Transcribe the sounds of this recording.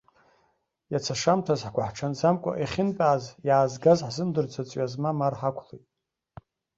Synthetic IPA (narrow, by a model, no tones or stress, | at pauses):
jat͡sʰaʂamtʰazħɡʷaħʈ͡ʂʰand͡zamkʷʼa̰ʔiχʲɪnpʼaːzjaːzɡazħzɨmdɨrt͡sʰat͡sʷʼɥazmamarħakʷʰlojtʼ